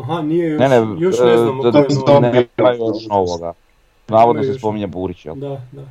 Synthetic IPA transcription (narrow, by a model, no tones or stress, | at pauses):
ɦninene | nemajuɛʃnoʋoɡa̰ | naːʋod̪nosespomiɲabuɾit͡ɕjɛ̰l